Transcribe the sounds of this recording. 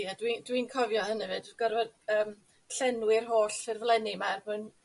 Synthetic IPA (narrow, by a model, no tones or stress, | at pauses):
adwidwinkʰɔvjɔhənɛvɨdɡ̥ɔrvɛdəːm | ɬɛnwɪrɦoːɬɪrvlˠɛnimarmɨn